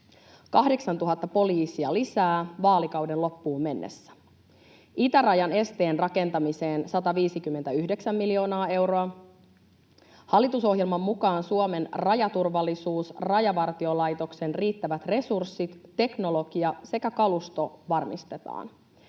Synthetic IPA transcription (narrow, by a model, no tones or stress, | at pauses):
kɑhdeksɑnt̪uɦɑt̪ːɑpo̞liːsiɑlisæːʋɑːlikɑwdenlo̞pːuːmme̞nːḛsːæ̥ | it̪ærɑjɑne̞st̪e̞ːnrɑke̞nt̪ɑmise̞ːnsɑt̪ɑʋiːsik̟ymːent̪æyhde̞ksæmːilio̞ːnɑːe̞wɾoɑ | hɑlːit̪uso̞ɦjelmɑmːukɑːnsuome̞nrɑjɑt̪urʋɑlːisuːsrɑjɑʋɑrt̪io̞lɑjt̪o̞kse̞nriːt̪ːæʋæt̪re̞sursːit̪ːe̞kno̞lo̞ɡ̥iɑse̞kækɑlust̪o̞ʋɑrmḭst̪e̞t̪ɑ̰ːn